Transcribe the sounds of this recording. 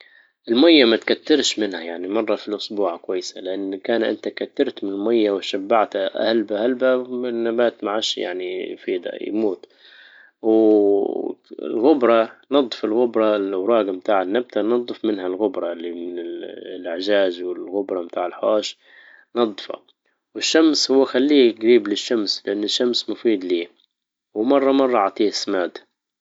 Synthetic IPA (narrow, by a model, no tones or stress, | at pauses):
ʔɪlmajːamat̪kat̪ːɪɾʃmɪnhajaʕnimɑrˤːɑfilʔʊsbuːʕkwajːsalɪʔanːkaːnʔɪ̰nt̪akat̪ːɑɾt̪mɪnɪlmajːawʃabːaʕt̪aʔhalbahalbaɪnːabaːt̪maʕaʃja̰ʕnifiːd̪a̰j̰muːt̪ | w | ɪ̰lɣʊbɾˤɑnɑd̪ˤːfɪlɣʊbɾˤɑlawɾˤɑːɡamt̪aːʕanːab̚t̪anɑd̪ˤːɨfmɪnɦalɣʊbɾˤɑlːimɪnɪllʔɪʕʒaːzwɪlɣʊbɾˤɑmbt̪aːʕɪlħo̰ːʃ | nɑd̪ˤːfa̰ | wɪʃːamshʊwːaxalːiːɡɾiːblɪʃːamslɪʔanːɪʃːamsmʊfiːd̪liː | wmɑrˤːɑmɑrˤːɑʕɑʕt̪ˤiːsmaːd̪